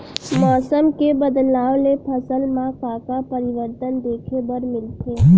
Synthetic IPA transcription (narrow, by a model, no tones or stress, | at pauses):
mɔːsəmkebəd̪laːʋlepʰəsəlmãkaːkapəɾɪʋəɾt̪ənd̪eːkʰebəɾmɪlt̪ʰeː